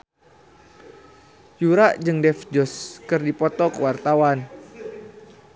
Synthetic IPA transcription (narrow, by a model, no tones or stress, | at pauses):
juɾaʔd͡ʒɨŋdɛfd͡ʒɔskɨrdipɔt̪ɔkəwart̪awan